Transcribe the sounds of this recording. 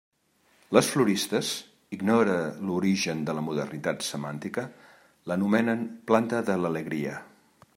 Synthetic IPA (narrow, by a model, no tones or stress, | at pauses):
ləsfluɾist̪əz | iɡnɔɾəluɾiʒənd̪ələmuðə̰rnit̪at̪səmant̪ikə | lənumɛnənplant̪əðələləɣɾiə̰